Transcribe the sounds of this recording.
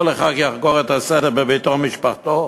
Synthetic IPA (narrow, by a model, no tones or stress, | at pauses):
leχakjaχɡoʁet̪asɛdeʁbebit̪oχmiʃpaχt̪o